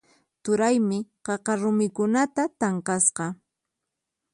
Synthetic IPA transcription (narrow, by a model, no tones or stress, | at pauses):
t̪ʊɾajmɪqɑqɑɾʊmɪkʊnat̪at̪ɑɴqɑsqɑ